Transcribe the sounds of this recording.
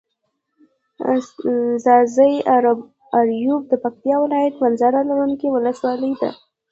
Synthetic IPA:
zɑzəj | aɾjub̚d̪əpak̚t̪jɑwɪlɑjat̪manzɑɾalaɾunkiwʊləswɑləjd̪a̰

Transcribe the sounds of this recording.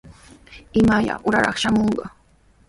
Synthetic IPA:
ɪmaʎa̰ʔʊɾaɾɑχʃamoɴɢɑ

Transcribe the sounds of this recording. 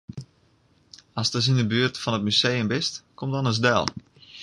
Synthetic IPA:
ɔsdɔs̬indəbyərtfɔnət̚mysejəmbɪstkomdɔnəs̬dɛ̰lˠ

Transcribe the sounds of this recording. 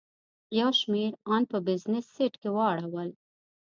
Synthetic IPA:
jawʃmeɾɑnpəbɪznɪsːeʈkewəːɽawəl

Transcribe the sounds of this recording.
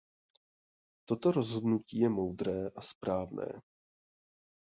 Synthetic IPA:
t̪o̞t̪o̞ɾo̞zɦo̞dnuciːjɛmo̞wd̪ɾɛːʔaspɾaːvnɛ̰ː

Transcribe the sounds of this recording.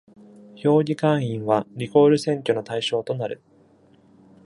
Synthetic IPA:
ço̞ːɡʲikãɰ̃ĩɰ̃βaɾʲiko̞ːɾɯ̟sẽ̞ŋkʲono̞t̪aiɕo̞ːt̪o̞naɾɯ̟̰

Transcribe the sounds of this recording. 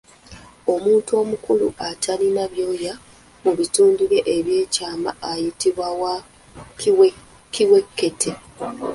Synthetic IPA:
o̞muːntuo̞ːmukuluʔatʰalinaβjo̞ːja | muβituːndiɾe̞ʔeβje̞ːcaːma̰ːjitiβwawa | kiwe̞kːe̞tʰe

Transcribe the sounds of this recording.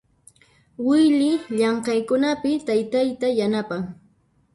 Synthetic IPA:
wɪjʎɪʎɑɴqɑjkʊnapɪt̪ajt̪ajt̪ajanapaŋ

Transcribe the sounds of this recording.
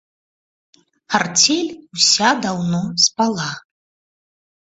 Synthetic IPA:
hart͡sʲɛlʲusʲad̪awnɔspalˠa

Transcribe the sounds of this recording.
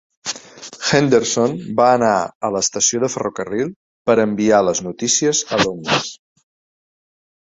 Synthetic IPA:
xɛnd̪əɾsonbaəːnaələːst̪əsioðəfərokərilˠ | pəɾəmbialəznut̪isiəzəlond̪əs

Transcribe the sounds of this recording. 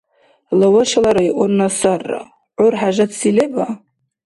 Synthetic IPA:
lawaʃalaɾaiʔʷonnasarːa̰ | ʕʊrħaʒadsileba

